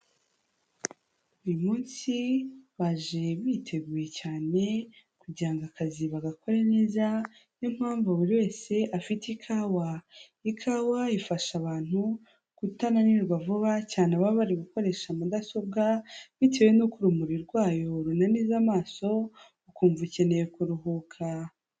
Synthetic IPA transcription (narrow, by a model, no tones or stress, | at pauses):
ujumuːnsiβaʒe̞βitʰe̞ɡuje̞caːne̞ | kuɟaːŋɡakʰaziβaɡako̞ɾeneːza | nom̥haːɱvuβuɾiwe̞ːse̞ʔafitikʰawa | ikʰawaifaʃaβaːn̥hu | kutananiɾɡavuβacaːneaβaβaɾiɡuko̞ɾe̞ʃamudaso̞bɡaβite̞we̞nokuɾumuɾiɾɡwaːjo̞ɾunaniːzamaːso̞ | ukuːɱvuce̞nejekuɾuɦukʰa